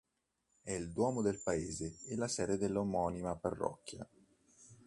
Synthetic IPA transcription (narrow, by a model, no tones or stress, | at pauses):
ɛild̪wɔːmod̪elpaeːzeelasɛːɾed̪elːomɔnimaparːɔ̰kːja̰